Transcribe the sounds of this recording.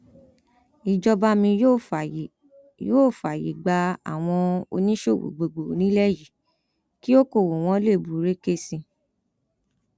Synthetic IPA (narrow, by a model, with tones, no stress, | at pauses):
i˨d͡ʒɔ˧ba˧˦mĩ˧o˦˨ | joː˦˨fa˨jḭ˨ɡ͡ba˧a̰˨w̃ɔ̃˧o̰˧nĩ˦ʃo˦˨wo̰˨ɡ͡bo˨ɡ͡bo˨nĩ˦lɛ˦ji˨ | ki˦o˦ko˦˨wo˨w̃ɔ̃˦le˦˨bu˨˦ɾe˦ke˦˨sĩ˧